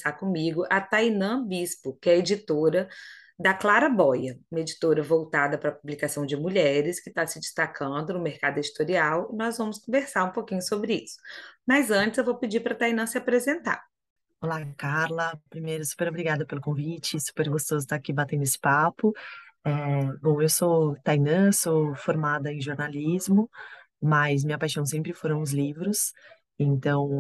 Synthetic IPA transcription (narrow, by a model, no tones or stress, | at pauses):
sakõmiɡʊʔɐt̪ajnɐ̃bispʊkɪɛed͡ʒit̪oɾɐ | d̪ɐklaɾɐbɔjɐũmɐed͡ʒit̪oɾɐvowt̪ad̪ɐpɾɐpublikasɐ̃w̃d͡ʒɪmuʎɛɾɪskɪt̪asɪd͡ʒist̪akʰɐ̃nd̪ʊnʊmeɾkad̪ʊed͡ʒit̪oɾiawɪnɔzvɐ̃mʊskõveɾsaɾũpokĩɲʊsobɾɪisʊ̥mɐzɐ̃nt͡ʃɪzewvowpɪd͡ʒipɾɐt̪ajnɐ̃sɪapɾezẽnt̪a̰ | olakaɾlɐpɾimejɾʊsu̥peɾobɾiɡad̪ɐpelʊkõvit͡ʃɪsu̥peɾɡost̪ozʊt̪akibat̪ẽnd̪ʊesɪ̥papʊɛbõw̃ewsot̪ajnɐ̃sofoɾmad̪ɐẽj̃ʒoɾnalizmʊ | mɐzmĩɲɐpajʃɐ̃w̃sẽmpɾɪfoɾɐ̃w̃ʊzlivɾʊs | ẽnt̪ɐ̃w̃